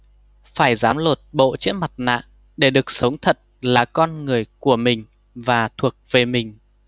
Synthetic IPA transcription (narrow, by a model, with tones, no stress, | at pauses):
faː˧˩jzaː˨˦mlo˨˩t̚ɓo̰˧˨t͡ɕḭ˧˥ənma˨˩t̚na̰ː˧˨ŋ | ɗe˧˩ɗɨ˨˩ək̚sə˨˦wŋ͡mt̪ʰə˨˩t̚laː˨˩kɔ˧nŋɨ˨˩əjku˧˩əmï˨˩ŋ̟ | vaː˨˩t̪ʰu˨˩ək̚ve˨˩mï˨˩ŋ̟